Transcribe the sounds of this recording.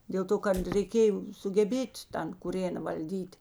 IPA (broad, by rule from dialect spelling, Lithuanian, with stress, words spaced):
dʲeːlˠ ˈtoː kɐt rʲɛɪˈkʲeːjoː sʊɡʲɛˈbʲeːtʲ ˈtɐn kʊˈrʲeːnɐ ʋɐlʲˈdʲiːtʲ